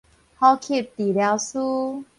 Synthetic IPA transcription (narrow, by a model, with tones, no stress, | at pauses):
hɔ˦kʰi˥˨t̪i˨lja˧ʊsu˦